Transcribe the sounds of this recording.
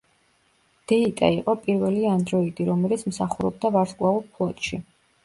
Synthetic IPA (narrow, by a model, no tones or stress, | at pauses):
d̪̥ɛit̪ʼa̰iqʼɔpʼiɾvɛliand̪ɾɔid̪iɾɔmɛlit̪sʰmsaχuɾɔb̚d̪avaɾskʼwaulpʰlˠɔt̪ʼʃi